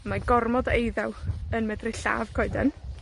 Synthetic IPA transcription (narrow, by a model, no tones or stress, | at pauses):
maɡɔrmɔdejðɛwənmɛdrɪɬa̰ːv̥kʰɔɨdɛ̰n